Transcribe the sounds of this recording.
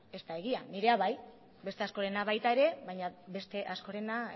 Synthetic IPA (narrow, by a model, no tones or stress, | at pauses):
e̞st̪ae̞ɣ̞ianiɾe̞aβaj | be̞st̪e̞asko̞ɾe̞naβajt̪aeɾe̞βajɲabe̞st̪e̞ʔasko̞ɾe̞na